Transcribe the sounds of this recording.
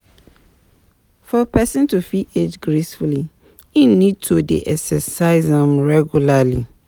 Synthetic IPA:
fɔpɛsĩntufied͡ʒɡɹesfuli | inid̚tʰodḛʔɛksɛsaɪzɛ̃mɹɛɡjulali

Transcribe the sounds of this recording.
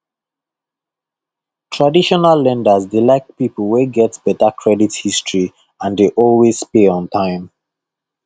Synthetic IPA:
tʰɹadiʃɔnalːɛ̃ndazdelaɪk̚pipəl̩ˠweɡɛtbɛtakʰɹɛdithistʰɹi | ãndeʔɔlwespeɔ̃ntʰãɪ̃m

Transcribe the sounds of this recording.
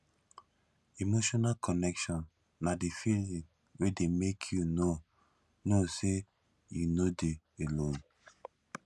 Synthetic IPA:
imoʃɔnakʰɔnɛkʃɔ̃nː | adifilĩŋ | wedemekʰjuno | nose | junode | elõn

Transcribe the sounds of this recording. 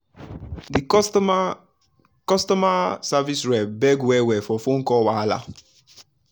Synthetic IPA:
di | kɔstɔmasavisɹɛbɛɡwɛwɛfɔfõŋkɔwala̰

